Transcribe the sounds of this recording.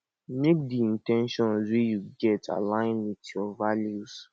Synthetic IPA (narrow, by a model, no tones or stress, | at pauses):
mek̚diĩntɛ̃nʃɔ̃nswejuɡɛtʰa̰lãɪ̃nwitjɔvaljus